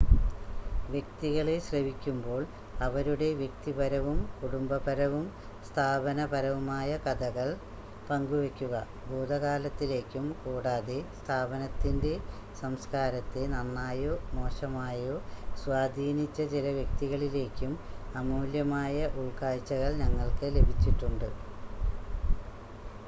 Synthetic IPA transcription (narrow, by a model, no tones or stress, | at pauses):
ʋjek̚t̪iɣɐɭeɕrɐʋikʲːumbo̞ːɭ | ɐʋɐɾuɽe̞ʋjek̚t̪ibɐɾɐʋumkuɽumbɐbɐɾɐʋum | st̪ʰaːbɐnɐpɐɾɐʋumaːjɐkɐd̪ɐɣɐɭ | pɐŋɡuʋekʲːuɣɐ | boːd̪ɐɣaːlɐt̪ːile̞ːkʲːumkuːɽaːðest̪ʰaːbɐnɐt̪ːinde̞ | sɐmskaːɾɐt̪ːenɐnːaːjomo̞ːʂɐmaːjosʋaːd̪ʱiːnit͡ɕːɐt͡ɕilɐʋjɐk̚t̪iɣɐɭile̞ːkʲːumɐmuːljɐmaːjɐʔuɭkaːjt͡ɕːɐɣɐɭɲɐŋːɐɭkɨle̞bʱit͡ɕːiʈːuɳɖɨ